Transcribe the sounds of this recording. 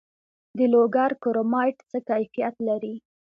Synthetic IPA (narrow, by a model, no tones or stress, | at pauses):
d̪əloɡaɾkoɾomɑjʈt͡səkajfijat̪laɾi